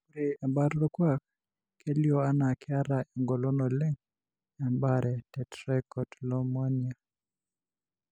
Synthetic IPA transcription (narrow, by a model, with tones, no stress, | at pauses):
u˦ɾe˨a˨mba˦ɾlɔ˦kwa˦˨k | ke˦ljo˦a˦na˨kɪ˦a˦ɾa˨e˨ŋɡɔ˨lɔ˦nɔ˨le˦ŋ | a˨mba˦ɾʔɛ˨tɛ˨tɾɛ˦kɔ˨tlɔ˦ma˦nia˨